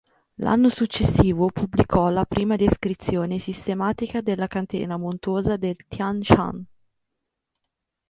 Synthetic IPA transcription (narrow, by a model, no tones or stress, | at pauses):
lʔa̰nːosut͡ʃːesːiːvopʰublikɔlapɾʔiːmad̪eskɾit̪sːjoːnesist̪emaːt̪ikad̪elːakant̪ḛːnamont̪woːzad̪elt̪jant͡ʃa̰n